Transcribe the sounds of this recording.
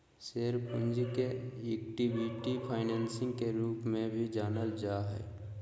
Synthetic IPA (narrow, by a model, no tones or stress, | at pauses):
seːɾpʊ̃ɲd͡ʒikeɛkʈibɪʈipʰaːɪnɛːnsɪ̃ŋɡkeɾuːpmẽbʱid͡ʒaːnəld͡ʒaːɦɛ̰ː